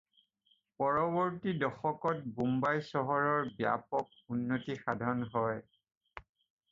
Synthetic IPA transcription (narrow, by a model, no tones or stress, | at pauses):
pɔɹɔbɔɹtidɔxɔkɔt̚bumbajsɔɦɔɹɔɹbja̰pɔk̚ | unːotixadʱɔnɦɔj